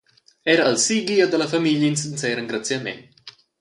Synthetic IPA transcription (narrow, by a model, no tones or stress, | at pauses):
ɛɾaəlsiɡiad̪əlɐfamiʎəins̬insɛɾəŋɡɾat͡sjamḛn